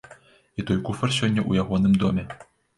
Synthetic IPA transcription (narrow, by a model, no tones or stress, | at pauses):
it̪ɔjkufɐrsʲɔnʲːɐʔṵjaɣɔnɨmd̪ɔmʲɛ